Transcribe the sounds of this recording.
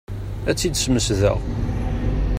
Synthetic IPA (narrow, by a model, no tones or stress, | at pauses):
æt͡sːid̪sməsðə̰ʁ